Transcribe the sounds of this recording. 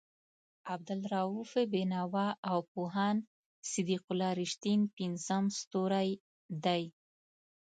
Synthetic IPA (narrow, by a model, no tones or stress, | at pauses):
ab̚d̪alɾɑufebenɑwɑawpoɦɑn | sɪd̪iqʊlɑɾɪʃt̪inpinzəmst̪oɾaj | d̪aj